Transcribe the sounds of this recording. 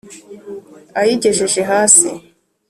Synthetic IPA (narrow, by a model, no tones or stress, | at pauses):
ajiɟeʒeʒeɦaːsḭ